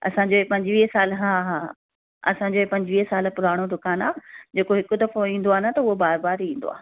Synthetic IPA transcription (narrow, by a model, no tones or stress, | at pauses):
ɐ̰sãɲd͡ʑoːepɐ̃ɲd͡ʑʋiːɦsaːlɦã | ɐ̰sãːɲd͡ʑoːepɐ̃ɲd͡ʑʋiːɦsaːlpʊɾaːɽ̃od̪ʊkaːna̰ːd͡ʑeːkoɦɪkʊd̪ɐfoĩːn̆d̪oaːɦɪnt̪ɐʊɦobaːɾbaːɾĩːnd̪o̰aː